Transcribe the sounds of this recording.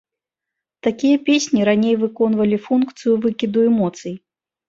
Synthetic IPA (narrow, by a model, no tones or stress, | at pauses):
t̪akʲijɐpʲesʲnʲiɾanʲejvɨkɔnvɐlʲifunkt̪sɨjuvɨkʲid̪uɛmɔt̪sɨj